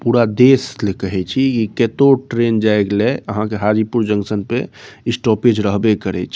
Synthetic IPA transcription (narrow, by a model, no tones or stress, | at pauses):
puɾad̪eslekəɦɛt͡ʃʰikiket̪oʈɾend͡ʒaeɡlɛəɦãkeɦad͡ʒipuɾd͡ʒə̃ŋsənpeisʈɔped͡ʒɾəɦbekəɾɛ̰t͡ʃʰi